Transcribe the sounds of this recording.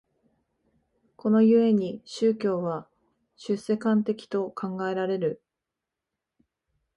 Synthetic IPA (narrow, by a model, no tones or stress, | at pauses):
kʰo̞no̞jɯ̟e̞ɲ̟iɕɨːkʲo̞ːβa | ɕɨsːe̞kãnt̪e̞kʲi̥t̪o̞kʰãŋɡae̞ɾaɾe̞ɾɯ̟